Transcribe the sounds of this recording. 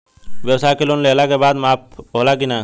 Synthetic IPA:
ʋjəwsaːkeloːnleəlakebaːd̪maːp̚oːlakinaː

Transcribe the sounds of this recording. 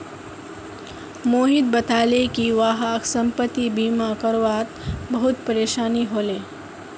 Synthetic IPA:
moːɦit̪̚bət̪ʰalekiʋaːɦaksəmpət̪ːibiːmakəɾʋat̪bəɦut̪pəɾeːʃaːniɦoːle

